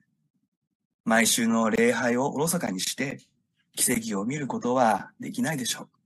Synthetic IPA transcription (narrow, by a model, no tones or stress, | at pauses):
maiɕɨːno̞ɾe̞ːɦaio̞ʔoɾo̞saka̰ɲ̟iɕi̥t̪e̞ | kʲi̥se̞ɡʲio̞mʲiɾɯ̟ko̞t̪o̞βad̪e̞̰kʲinaid̪e̞ɕo̞ː